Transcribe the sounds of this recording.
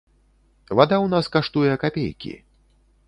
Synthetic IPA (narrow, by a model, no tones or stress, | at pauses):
vad̪awnaskaʂt̪ujɛkapʲḛjkʲḭ